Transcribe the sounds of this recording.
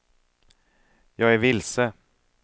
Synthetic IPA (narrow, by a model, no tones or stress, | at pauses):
jɑːɡæɾvɪlsə